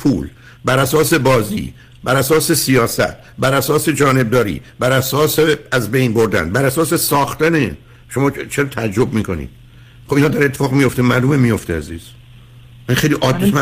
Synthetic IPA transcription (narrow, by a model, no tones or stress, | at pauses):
pʰṵːl | bæɾæsɒːse̞bɒːzḭː | bæɾæsɒːsesijɒːsæ̰t̪̚ʰ | bæɾæsɒːse̞d͡ʒɒːne̞b̚d̪ɒːɾḭːbæɾæsɒːseæzbejnboɾd̪æ̰nbæɾæsɒːse̞sɒːxt̪æne | ʃo̞mɒːt͡ʃʰeɾːt̪ʰææd͡ʒɾo̞b̚miːkʰo̞nḭːd̪̥ | χobinɒːd̪æɾet̪ʰːefɒːɣmijo̞ft̪emæːɾlumemijo̞ft̪eæziːz̥ | ænixejliʔɒːd̪ːem